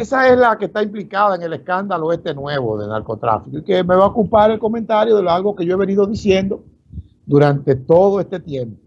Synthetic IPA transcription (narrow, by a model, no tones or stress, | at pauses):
esae̞slake̞st̪aimplikaðaeŋe̞le̞skand̪aloe̞st̪e̞nwe̞βoðe̞̰na̰ɾko̞t̪ɾa̰fikoike̞me̞βaokulpaɾe̞lko̞mẽnt̪aɾjo̞ðeloalɣo̞keʝoe̞β̞e̞niðo̞ðisje̞nd̪o̞ | d̪uɾant̪e̞t̪o̞ð̞oe̞st̪e̞t̪je̞mpo